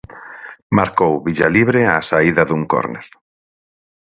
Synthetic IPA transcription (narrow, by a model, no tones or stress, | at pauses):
maɾkowβiʎaliβ̞ɾeasaiðaðuŋko̰ɾnḛl